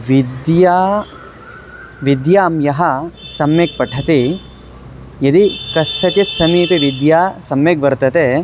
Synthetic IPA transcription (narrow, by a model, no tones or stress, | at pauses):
ʋid̪jaː | ʋid̪jaːmjɐɦɐsɐmjeːk̚pɐʈʰɐt̪i | jɐd̪ikɐʂʈɐt͡ʃɐt̪sɐmiːt̪eʋid̪jaːsɐmjeːkʋɐɾt̪ɐt̪e